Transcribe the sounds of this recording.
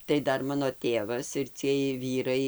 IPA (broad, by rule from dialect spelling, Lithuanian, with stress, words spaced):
tɐɪ ˈdɐr ˈmɑːnoː ˈtʲeːʋɐs ɪr t͡sʲiɛj ˈʋʲiːrɐɪ